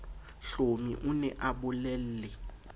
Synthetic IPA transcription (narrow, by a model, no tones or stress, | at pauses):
ɬomḭʔʊnɛʔabʊlɛl̩lɪ